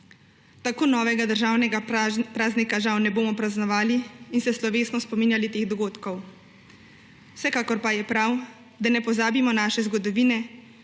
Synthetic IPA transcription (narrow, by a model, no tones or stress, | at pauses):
t̪akoːnɔːʋɛɡad̪əɾʒaːwnɛɡapɾaːznikaʒawnɛboːmɔpɾaznɔʋaːliinsɛslɔʋeːsnɔspɔmiːnjalit̪eːɣd̪ɔɡoːt̪kɔw | sɛkaːkɔɾpajɛpɾaw | d̪anɛpɔzaːbimɔnaːʃɛzɡɔd̪ɔʋiːnɛ